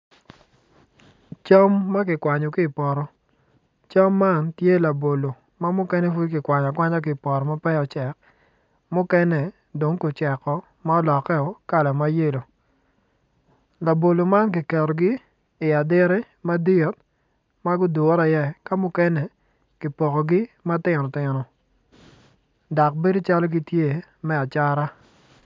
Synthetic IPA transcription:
t͡ʃɔ˦mːa˦kɪ˨kwa˨ɲɔ˨kɪ˦˨pɔ˨ɾɔ˨ | t͡ʃɔ˦mːa˦ntje˦la˨bo˨lo˨ | ma˦mʊ˦kɛ˦nɛ˦fu˦dkɪ˨kwa˨ɲɔ˨kwa˦ɲɔ˦k̬ɪ˦˨pɔ˨ɾɔ˨ma˦pɛ˦ɔ˨t͡ʃɛ˨k̚ | mʊ˦kɛ˦nɛ˨ | do˨ŋkʊ˨t͡ʃɛ˨kɔ˨ | ma˦ɔ˦lɔ˨kɛ˦ɔ˨ka˦˨lɛ˨ma˦je˦˨lo˨ | la˨bo˨lo˨ma˦nk̬i˨kɛ˨ɾɔ˨ɡɪ˦ | ɪ˨a˨dɪ˦ɾɛ˦ | ma˦di˦ɔ˦t | ma˦ɡʊ˦du˨ɔ˦ɾa˨jɛ˦ka˦mʊ˦kɛ˦nɛ˦ | kɪ˨pɔ˨kɔ˨ɡɪ˦ma˦tɪ˨nɔ˨tɪ˨nɔ˨ | da˨k̚be˦do˦t͡ʃa˦lɔ˦ɡi˦tje˦˨mɛ˦a˨t͡ʃa˦ɾa˦

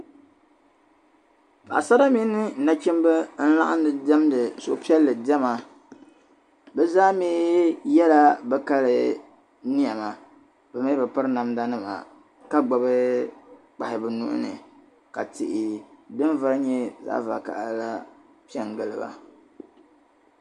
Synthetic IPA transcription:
pa̰˨ʔa̰˨sa˦ɾa˦mi˦nɨ˦na˦t͡ʃi˦mbɨ˦n̩˦la˦ʔa˦n˦dɨ˨dɛ˦mdɨ˨so˨ʔpi˦ɛ˦lːɨ˨dɛ˦ma˨ | bɛ˦zaː˦miː˦jɛ˦la˦bɛ˦ka˦lɨ˨ | ni˦ja˨ma˨ | bɛ˨mɛ˦bɛ˨pɨ˦ɾna˨mda˦nɨ˦ma̰˨ | ka˦ɡ͡ba˨bɨ˦ | k͡pa˨hɪ˨bɨ˨nṵ˦ʔʊ̰˦nɨ̰˨ | ka˨tɪ˨ʔɪ˨dɨ˦nva˦ɾɲɛ˦za̰ː˦˨va̰˨ka̰˨ʔla˦ | pi˦ɛ˦ŋɡɨ˨lɨ˨ba̰˨

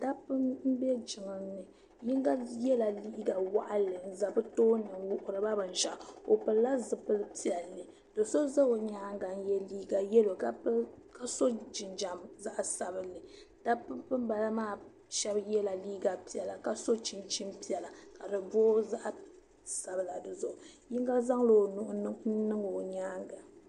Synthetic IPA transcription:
da˦pːɨ˦mm̩˦bɛ˦d͡ʒɪ˨ŋɨ˨nɨ˨ | ɲi˦ŋɡa˦jɛ˦la˨liː˦ʔɡa˨wa˦ʔa˦lɨ˨n̩˦˨za˨bɨ˦toː˦nɨ˨ŋwʊ˦ʔʊ˨ɾɨ˨ba˦bɨ˨n˨ʒa˨o˨pɨ˨˦la˦zɨ˨pɨ˦lpi˦ɛ˨lnɨ˨ | d̥o˨so˦za˦o˨ɲaː˦ŋ˦ɡa˨n˦jɛ˦liː˦ɡa˨jɛ˦lo˨ka˦ka˦so˦d͡ʒi˨nd͡ʒa˨mza˦ʔsa˨bɨ˨nːɨ˨ | ta˦pɨ˦pɨ˦mba˨la˦maː˦˨ | ʃɛ˦bjɛ˦la˨liː˦ɡa˨pi˦ɛ˨la˨ka˨so˦t͡ʃi˦nt͡ʃi˦mpi˦ɛ˨la˨ka˨dɨ˨boː˦za˦ʔ | sa˨bɨ˨la˨dɨ˨zʊ˦˨ʔʊ˨ji˦ŋɡa˦za˦ŋlo˨nu˦ʔʊ˦nɨ˦ŋo˨ɲaː˦ŋ˦ɡa˨

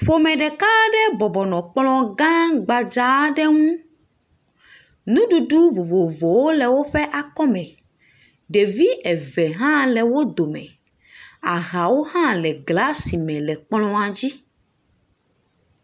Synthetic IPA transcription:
ɸo˨mɛ̃˨ɖɛ˨ka˦ɖɛ˦bɔ˨bɔ˨nɔ̃˨k͡plɔ̃˨ɡã˦ɡ͡ba˨d͡ʒa˨˦ɖɛ˦ŋũ˦ | nũ˦ɖu˨ɖu˦vo˨vo˨vo˨wo˦lɛ˨wo˦ɸɛ˦ʔa˨kɔ˦mɛ̃˨ | ɖe˨vi˦ʔɛ˨vɛ˨ɦã˦lɛ˨wo˦d̪o˨mɛ̰̃˨ | a˨ɣa˨wo˦hã˦lɛ˨ɡla˦si˨mɛ̃˨lɛ˨k͡plɔ̃˦a˨d͡ʑi˦

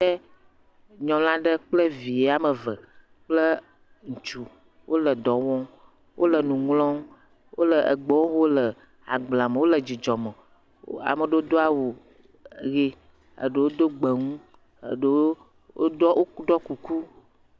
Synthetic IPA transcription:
e˦ | ɲɔ̃˨l̃ã˦ɖə˦k͡plə˦vi˨e˦a˨mə˨və˨ | k͡plə˦ | ŋũ˨t͡ʃu˨ | wʔo˦lə˨d̪ɔ˨wɔ̃˦ | wʔo̰˦lə˨nũ˨ŋlɔ̃˦ | wo˦lə˨ʔə˨ɡ͡bə˦wo˦wo˦lə˨ | a̰˨ɡ͡bla˨mə˨wo˦lə˨d͡ʑi˨d͡ʒɔ˨mə˨˦ | a̰˨mə˨ɖə˦wo˦d̪o˦a˦˨wo˨ | ɣi˦ | ə̰˨ɖə˦˨wo˦d̪o˦ɡ͡bə˨ŋũ˦ | ə̰˨ɖə˨w | d̪ɔ˦wo˦ɖɔ˦ku˨ku˦

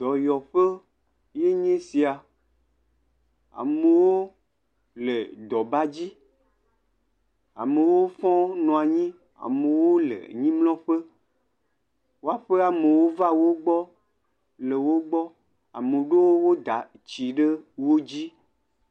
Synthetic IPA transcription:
d̪̥ɔ˨jɔ˨ɸe˦ | je˦ɲẽ˦si˨a˨ | a̰˨me˨wo˦ | le˨d̪ɔ˨ba˦d͡ʑi˦ | a̰˨me˨wo˦fɔ̃˦nɔ̃˨a˨ɲĩ˦ | a̰˨me˨wo˦lḛ˨ɲĩ˦mlɔ̃˦ɸe˦ | wo˦a˦ɸe˦a˨me˨wo˦va˦wo˦ɡ͡bɔ˦ | le˨wo˦ɡ͡bɔ˦ | a̰˨me˨ɖe˦wo˦wo˦d̪a˨ | t͡ɕi˨ɖe˦wo˦d͡ʑi˦

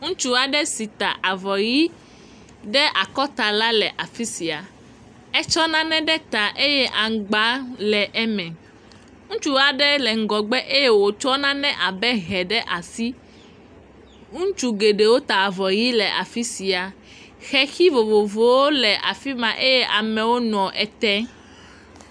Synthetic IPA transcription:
ŋũ˦t͡ʃu˦a˨ɖɛ˦si˨t̪a˨ʔa˨vɔ˨ji˦ | ɖɛ˦ʔa˨kɔ˦t̪a˨la˦lɛ˨ʔa˨fi˦si˨a˨ | ɛ˦t͡ʃɔ˦nã˦nɛ̃˦ɖɛ˦t̪a˨ʔe˦jɛ˦ʔa˨ɡ͡ba˨˦lɛ˨ʔɛ˦mɛ̃˨ | ŋũ˦t͡ʃu˦a˨ɖɛ˦lɛ˨ŋ̩˨ɡɔ˨ɡ͡bɛ˦ʔe˦je˦wo˨t͡ʃɔ˦nã˦nɛ̃˦ʔa˨bɛ˦ɣɛ˨ɖɛ˦ʔa˨si˦ | ŋũ˦t͡ʃu˦ɡe˨ɖe˨wo˦t̪a˨vɔ˨ji˦lɛ˨ʔa˨fi˦si˨a˨ | xɛ˦xi˦vo˨vo˨vo˨wo˦lɛ˨ʔa˨fi˦mã˨ʔe˦jɛ˦ʔa˨mɛ̃˨wo˦nɔ̃˨ʔɛ˨t̪ɛ˦

